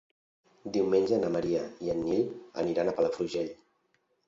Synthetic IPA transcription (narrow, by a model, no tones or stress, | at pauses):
d̪iwmenʲd͡ʒənəməɾiəiənːilə̰niɾanəpələfɾuʒɛʎ